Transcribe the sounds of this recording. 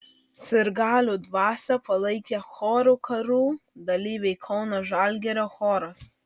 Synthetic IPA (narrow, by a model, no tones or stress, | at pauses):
sʲɪɾɡɑːlʲuːd̪ʋɑːsʲɛpɐlˠɐɪkʲɛxɔːɾuːkʰɐɾuːd̪ɐlʲiːʋʲɛɪkʰɒʊnoːʒɑˑlʲɡʲɛɾʲoːxɔːɾɐs